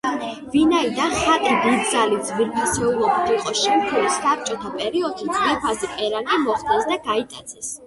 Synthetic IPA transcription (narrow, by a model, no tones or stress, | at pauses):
vinaid̪anχat̪ʼidid̪̚d̪zalid̪zviɾpʰasɛulˠɔbit̪iqʼɔʃɛmkʰɛlisap̚t͡ʃʼɔt̪ʰapʼɛɾiɔd̪ʃid̪zvɛɾpʰazipʼɛɾanimɔχt̪ʰɛsd̪aɡait̪ʼat̪sʰɛs